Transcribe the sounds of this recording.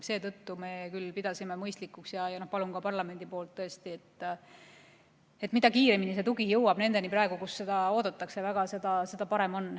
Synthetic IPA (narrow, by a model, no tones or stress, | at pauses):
se̞ːt̪ɤt̪ːume̞kylpid̪ɑsimemɤjst̪likːˑuksjɑjɑno̞hpɑlunkɑpɑrlɑme̞nd̪̥ipo̞ːlt̪ːɤ̞est̪iet̪ː | et̪ːˑmid̪̥ɑkiːɾe̞minise̞t̪uɡijɤwɑb̥ne̞nd̪e̞niprɑe̞ɡ̥ukusːe̞d̪ɑo̞ːd̪̥ɑt̪ːˑɑkse̞væɡ̥ɑse̞d̪̥ɑse̞d̪ɑpɑɾe̞mo̞nː